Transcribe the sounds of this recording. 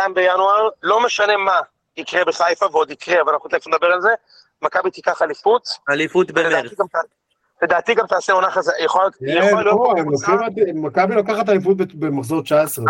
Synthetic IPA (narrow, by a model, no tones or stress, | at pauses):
kajmbejanuaʁlo̞me̞ʃane̞ma | ikʁebeχajfaveo̞d̪ikʁeavalanaχut̪aafumed̪abe̞ʁalze̞ | makabit̪ikaχalifut̪alifut̪bemdat̪iɡamta | led̪aːt̪iɡamt̪aːseonaχazjeχolaliooemlokχimat̪ːmakabilakaχat̪̬alifut̪̚bebemaχzoʁt͡ʃaesʁe